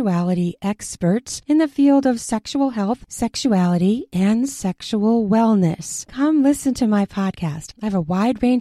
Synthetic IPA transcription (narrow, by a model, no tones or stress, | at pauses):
uælˠəɾiʔɛkspə˞tsɨ̃nðɨfilˠdʌv̥sɛkʃul̩ˠɦɛlˠθsɛkʃuælˠəɾiʔɨ̃nsɛkʃul̩ˠwɛlˠnɨ̰skʰʌ̃mlɪsɨ̃ntʰɨmaɪpʰɑd̚kʰæstaɪvəwaɪd̚ɹẽɪ̃n